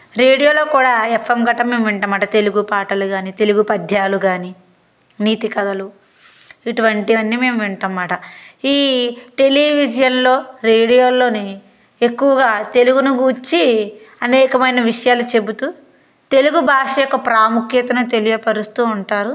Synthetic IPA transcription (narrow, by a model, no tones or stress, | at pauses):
ɾeːɽijo̞ːlo̞ːkuːɽaːefʰemɡɐʈːɐmːe̞ːmʋiɳʈɐmːaːʈɐt̪e̞luɡupaːʈɐluɡaːnit̪e̞luɡupɐd̪ʱjaːluɡaːni | niːt̪ikɐd̪ɐlu | iʈuʋɐɳʈiʋɐnːime̞ːmʋiɳʈɐmːaːʈɐiːʈe̞liʋid͡ʒɐjɐnlo̞ːɾeːɽijoːlo̞ːni | ekːuʋɐɡaːt̪e̞luɡunuɡuːt͡ʃːiɐnɛːkɐmɐjnɐʋiʂɐjaːlut͡ʃe̞but̪u | t̪e̞luɡubʱaːʂɐjɔkːɐpɾaːmukjɐt̪ɐnut̪e̞lijɐpɐɾust̪uːuɳʈaːɾu